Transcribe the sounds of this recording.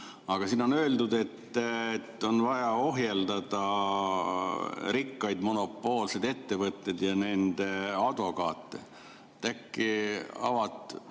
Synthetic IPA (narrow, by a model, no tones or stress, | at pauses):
ɑɡ̥ɑsino̞nø̞ːld̪ud̪e̞t̪ːet̪ːo̞nvɑjɑo̞ɦjeld̪̥ɑd̪ɑ | ɾikːɑjd̪mo̞no̞pːˑo̞ːlsed̪e̞t̪ːe̞vɤt̪ːe̞d̪jɑne̞nd̪̥eɑd̪̥vo̞kɑːt̪ːˑḛ | t̪ækːiɑ̰vɑt̪ˑ